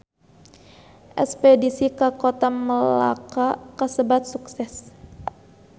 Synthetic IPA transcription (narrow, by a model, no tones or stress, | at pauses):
ʔɛ̰spɛdisikakot̪aməla̰kakasəbat̪̚suksɛs